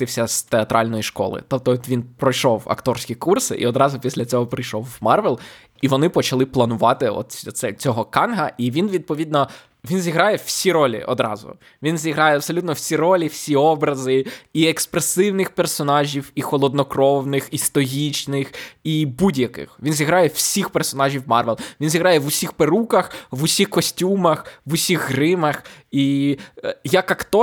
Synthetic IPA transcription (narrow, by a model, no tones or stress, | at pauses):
t̪ɪwsʲɐst̪eɐt̪ɾʔɑlʲnɔjiʃkɔ̰lˠɪ̰t̪ɔp̚t̪ɔʋʲinpɾɔjʃɔwɐ̰kt̪ɔɾsʲkʲikursɪ̰ʔḭɔd̪ɾɑzʊpʲisʲlʲɐt͡sʲɔɦɔpɾɪjʃɔwmɑrʋɛlˠ | iʋɔnɪpɔt͡ʃɐlˠɪplˠɐnʊʋɑt̪ɪɔ̰t̪sɛt͡sʲɔɦɔkɑnɦɐʔiʋʲinʋʲid̪̚pɔʋʲid̪nɔ | ʋʲinzʲiɦɾɑjɛw̥sʲiɾɔlʲḭʔɔ̰d̪ɾɑ̰zʊ̰ | ʋʲinzʲiɦɾɑjɛɐbsɔlʲut̪nɔwsʲiɾɔlʲiwsʲiɔbɾɐzɪiekspɾesɪwnɪxpersɔnɑʒʲiwixɔlˠɔd̪nɔkɾɔwnɪxist̪ɔɦit͡ʃnɪxibudʲjɐkɪ̰xʋʲinzʲiɦɾɑjɛwsʲixpersɔnɑʒʲiwmɑ̰rʋelˠʋʲinzʲiɦɾɑjɛʋʊsʲixpeɾukɐxʋʊsʲixkɔsʲtʲumɐxʋʊsʲiɣɦɾɪmɐxi | jɐkɐkt̪ɔ